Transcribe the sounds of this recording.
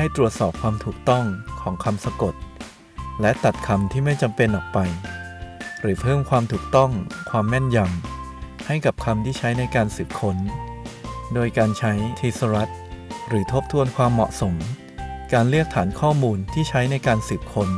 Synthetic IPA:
ha˥˩jt̪ɾu˨˩ət̪̚sɔː˨˩p̚kʰwaː˧mt̪ʰuː˨˩k̚t̪ɔ˥˩ŋkʰɔː˩˦ŋkʰa˧msa˧ko˨˩t̪̚ | lɛ˦˥ʔt̪a˨˩t̪̚kʰa˧mt̪ʰiː˥˩ma˥˩jt͡ɕa˧mpe˧nʔɔː˨˩k̚pa˧j | ɾɯː˩˦pʰɤː˥˩mkʰwaː˧mt̪ʰuː˨˩k̚t̪ɔ˥˩ŋkʰwaː˧mːɛ˥˩nja˧mha˥˩jka˨˩p̚kʰa˧mt̪ʰiː˥˩t͡ɕʰa˦˥jna˧jkaː˧nsiː˨˩p̚kʰo˦˥n | doː˧jkaː˧nt͡ɕʰa˦˥jt̪ʰiː˧sa˧ɾa˦˥t̪̚ɾɯː˩˦t̪ʰo˦˥˩p̚t̪ʰu˧ənkʰwaː˧mːɔ̰˨˩ʔso˩˦m | kaː˧nlɯ˥˩ək̚t̪ʰaː˩˦nkʰɔː˥˩muː˧nt̪ʰiː˥˩t͡ɕʰa˦˥jna˧jkaː˧nsiː˨˩p̚kʰo˧n

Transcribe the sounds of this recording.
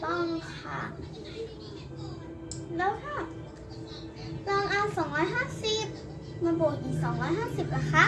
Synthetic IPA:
t̪ɔ˧˥˩ŋ˧kʰa̰˧˩ | lɛː˦˥wt̪ʰaː˧˥˩ | laː˧ŋʔaː˧sɔː˨˩˦ŋɾɔː˧˥jɦaː˥˨si˧˩p̚ | maː˧bo˨˩ŋʔiː˨˩k̚sɔː˩˦ŋɾɔː˧˥jɦaː˥˩si˨˩p̚la˧˩kʰa˧˥˨

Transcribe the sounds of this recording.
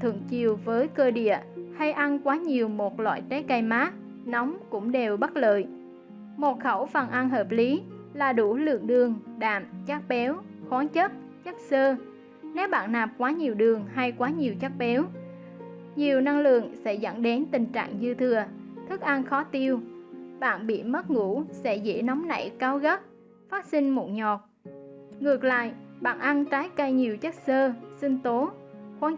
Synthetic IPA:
t̪ʰɨ̰˧˨əŋt͡ɕi˨˩əwvəː˨˦jkəː˧ɗḭ˧˨əha˧jʔa˧nkwaː˨˦ɲi˨˩əwmo˨˩t̚lwa̰ː˧˨jt͡ɕe˨˦ka˧jmaː˦˥k̚ | nɔ˨˦wŋ͡mkʊ̰˧˥ŋ͡mɗe˨˩wɓə˦˥t̚lə̰ː˧˨j | mo˨˩t̚xə˧˩wfə˨˩nʔa˧nɦəː˨˩p̚li˨˦laː˨˩ɗu˧˩lɨ̰˧˨əŋɗɨ˨˩əŋɗa̰ː˧˨mt͡ɕa˦˥k̚ɓɛ˨˦wxwaː˨˦nt͡ɕə˦˥t̚ | t͡ɕə˦˥k̚səː˧ | ne˨˦wɓa̰ː˧˨nːaː˨˩p̚kwaː˨˦ɲi˨˩əwɗɨ˨˩əŋɦa˧jkwaː˨˦ɲi˨˩əwt͡ɕa˦˥k̚ɓɛ˨˦w | ɲi˨˩əwna˧ŋlɨ̰˧˨əŋsɛ̰˧˥zə̰˧˥nɗe˨˦nt̪ï˨˩ŋ̟t͡ɕa̰ː˧˨ŋzɨ˧t̪ʰɨ˧˩ə | t̪ʰɨ˦˥k̚ʔa˧nxɔ˨˦t̪i˧əwɓa̰ː˧˨nɓḭ˧˨mə˦˥t̚ŋu˧˥sɛ̰˧˥zḛ˧˥nɔ˨˦wŋ͡mna̰˧˩jkaː˨˦wɣə˦˥p̚ | faː˦˥t̚sï˧ŋ̟mo˨˩t̚ɲɔ˨˩t̚ | ŋɨ˨˩ək̚la̰ː˧˨jɓa̰ː˧˨nʔa˧nt̪aː˨˦jkə˧jɲi˨˩əwt͡ɕə˦˥t̚səː˧sï˧ŋ̟t̪o˨˦xwaː˨˦

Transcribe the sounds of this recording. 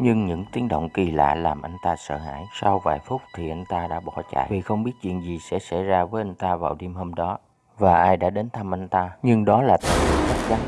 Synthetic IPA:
ɲɨ˧ŋɲɨ̰˧˥ŋt̪i˨˦əŋɗo̰˧˨wŋ͡mki˨˩la̰ː˧˨laː˨˩mʔa˧jŋ̟t̪aː˧sə̰ː˧˨ɦa̰ː˧˥˨jsa˧wvaː˨˩jfʊ˦˥k͡p̚t̪ʰi˨˩ʔa˧jŋ̟t̪aː˧ɗa̰ː˧˥ɓɔ˧˩t͡ɕa̰ː˧˨jvi˨˩xə˧wŋ͡mɓi˦˥ət̚t͡ɕwḭ˧˨ənzi˨˩sɛ̰˧˥sa̰˧˥jzaː˧vəː˨˦jʔa˧jŋ̟t̪aː˧vaː˨˩wɗi˧mɦoː˧mɗɔ˨˦ | vaː˨˩ʔaː˧jɗa̰ː˧˥ɗe˨˦nt̪ʰa˧mʔa˧jŋ̟t̪aː˧ɲɨ˧ŋɗɔ˨˦laː˨˩t̪a˨˧˩i˨˧˩sa˦˥ɣa˨˦ŋ

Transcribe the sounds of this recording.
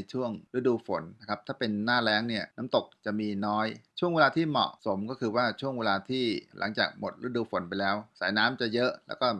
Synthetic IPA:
jt͡ɕʰu˥˩əŋɾi˥˩əduː˧fo˨˩˦nna˦˥kʰa˦˥p̚t̪ʰaː˥˩pe˧nːaː˥˩lɛː˦˥ŋni˥˩ənaː˦˥mt̪o˨˩k̚t͡ɕa˨˩ʔmiː˧nɔː˦˥jt͡ɕʰu˥˩əŋweː˧laː˧t̪ʰiː˥˩mɔ̰˨˩ʔso˩˦mkɔː˥˩kʰɯː˧waː˥˩t͡ɕʰu˥˩əŋweː˧laː˧t̪ʰiː˥˩lʔa̰˩˦ŋt͡ɕa̰ː˨˩k̚mo˨˩t̪̚ɾɯ˥˩ə˩duː˧fo˨˩˦npa˧jlɛː˦˥wsaː˩˦jnaː˦˥mt͡ɕa˨˩jɤ˦˥ʔlɛː˦˥wkɔː˥˩

